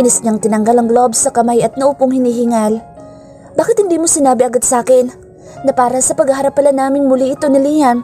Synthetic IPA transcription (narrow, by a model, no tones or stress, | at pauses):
ʔɪnɪsɲaŋt̪ɪnɐŋɡalɐŋɡlobsɐkɐmajɐt̪̚nɐʔupoŋhɪniːɦɪŋal | baːkɪt̪hɪnd̪iːmosɪnaːbɪʔɐɡad̪saːkɪnː | ɐpaːɾɐsɐpɐɡhɐɦɐɾɐpːɐlɐnːaːmɪnmʊliʔɪt̪o̞nɪlijɐn